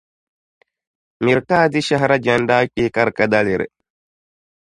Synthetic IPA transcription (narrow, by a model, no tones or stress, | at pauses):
miɾkaːd̪iʃɐɦɾɐd͡ʒɐnɖaːkːeːkɐɾkɐd̪ɐliɾḛ